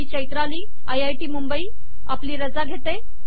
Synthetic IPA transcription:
it͡ɕəjt̪ɾaliː | ajajʈiːmumbəiː | apliːɾəd͡zaɡʱet̪e

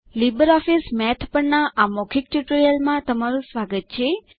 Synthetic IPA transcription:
libəɾɔfismɛt̪ʰpəɳnaʔamokʰik̚ʈjuʈəɾijəlmãt̪əmaɾũsʋaɡət̪̚t͡ʃʰe

